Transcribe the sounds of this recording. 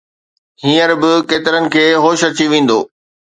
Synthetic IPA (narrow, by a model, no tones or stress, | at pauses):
hĩːəɾbɪkeːt̪ɪɾənɪ̆kʰeːɦoːʃɐt͡ɕiʋẽːn̆d̪oː